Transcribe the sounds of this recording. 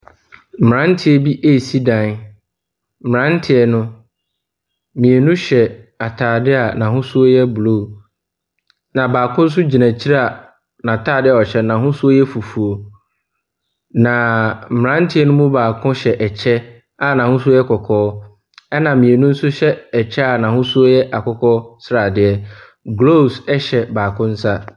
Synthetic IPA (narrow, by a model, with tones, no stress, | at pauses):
m̩˨m̩˨ã˦n̩˦tʰɪ˦ɛ˨bi˦ʔe˦˨si˦dã˨n˦ | mɪ˨ɾã˦n̩˦tʰɪ˨ɛ˦nʊ̃˦ | mĩ˨e˨nʊ̃˦ɕɛ˨ | a˨tʰaː˨dɪ˦a˨nã˨ɦʊ̃˦sʊ˦o˦jɛ˦bu˨lo˦˨ | nã˨baː˨kʰʊ̃˦n̩˦s̬ʊ˦d͡ʑi˨næ̃˨t͡ɕʰi˦ɾa˨ | nã˨tʰaː˦˨dɪ˦a˨ɔ˨ɕɛ˦nã˨ɦʊ̃˦sʊ˦o˦jɛ˦fu˨fu˨o˨ | nã˨m̩˨m̃˨ɾã˦n̩˦tʰɪ˦ɛ˦nʊ̃˦mʊ̃˦baː˨kʰʊ̃˦ɕɛ˨ʔɛ˨t͡ɕʰɛ˦ | a˦˨nã˨hʊ̃˦su˦o˦jɛ˦kʰɔ˨kʰɔː˦ | ɛ˦nã˨mĩ˨e˨nũ˦n̩˦sʊ˦ɕɛ˦ɛ˨t͡ɕʰɛ˦a˨nã˨hʊ̃˦su˦o˦jɛ˦ʔa˨kɔ˦kʰɔ˦sɾa˨dɪ˦ɛ˦ | ɡlo˦˨sɛ˦ɕɛ˨baː˨kʰʊ̃˦n̩˦sa˦